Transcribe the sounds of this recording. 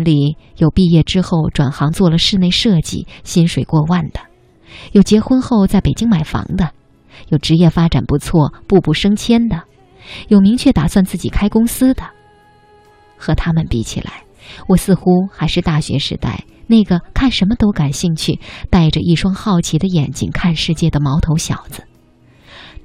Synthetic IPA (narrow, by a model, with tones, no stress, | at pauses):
nli˨˩˦jo˨˩ʊpi˥˧jɛ˥˩ʈ͡ʂɻ̩˥xo˥˩ʊʈ͡ʂwa˨˩nxɑ˧˥ŋt͡swɔ˥˩lə˩ʂɻ̩˥˧ne˥˧ɪʂɤ˥˧t͡ɕḭ˥˩ɕi˥nʂwe˨˩ɪkwɔ˥˧wa˥˩nd̪̥ə̥˩ | jo˨˩ʊt͡ɕjɛ˧˥xwə˥nxo˥˧ʊt͡sa˥˩ɪpe˨˩ɪt͡ɕi˥ŋma˨˩ɪfɑ̰˧˥ŋd̪ə˧ | jo˨˩ʊʈ͡ʂɻ̩˧˥jɛ˥˩fa˥ʈ͡ʂa˨˩npu˧˥t͡sʰwɔ˥˩pu˥˧pu˥˩ʂɤ˥ŋt͡ɕʰjɛ˥nd̪ə˨ | jo˨˩ʊmi˧˥ŋt͡ɕʰɥɛ˥˩t̪a˨˩swa˥˧nt͡sɹ̩˥˩t͡ɕi˨˩kʰa˥ɪkʊ˥ŋsɹ̩˥d̪ə˨ | xɤ˧˥t̪ʰa˥mə˨npi˥˩t͡ɕʰḭ˨˩la̰˧˥ɪ | wɔ˨˩sɹ̩˥˩xu˥xa˧˥ɪʂɻ̩˥˧t̪a˥˩ɕɥɛ̰˧˥ʂɻ̩̰˧˥t̪a̰˥˩ɪ | ne˥˩ɪɡə˩kʰa˥˩nʂə˧˥nmə˧t̪o˥ʊka˨˩nɕi˥˧ŋt͡ɕʰy˥˧˩t̪a˥˩ɪʈ͡ʂə˩ʔi˥˩ʂwɑ˥ŋxɑ˥˩ʊt͡ɕʰi˧˥d̪ə˧jɛ˨˩nt͡ɕḭ˥ŋkʰa˥˧nʂɻ̩˥˧t͡ɕjɛ˥˩d̪ə˩mɑ˧˥ʊt̪ʰo˧˥ʊɕjɑ̰˨˩ʊd͡zɹ̩˦